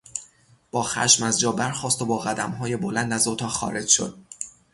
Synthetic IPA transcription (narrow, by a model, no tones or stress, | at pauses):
b̥ɒːxæ̰ʃmæzd͡ʒɒːbæɾxɒːst̪obɒːɣæd̪æmɦɒːje̞bolænd̪æzot̪ʰɒːxɒ̰ːɾe̞d͡ʒʃo̞̰d̪̥̚